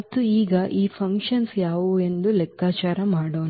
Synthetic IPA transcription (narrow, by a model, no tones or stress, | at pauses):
ɐt̪ːuiːɡɐʔiːpʰɐŋkʂʃɐnsjaːʋue̞nd̪ulɛkːaːt͡ʃaːɾɐmaːɽoːn